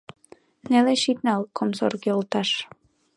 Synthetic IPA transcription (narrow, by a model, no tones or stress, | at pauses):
neleʃit̪nɑlˠkʰomso̰rɡeolˠt̪ɑʃ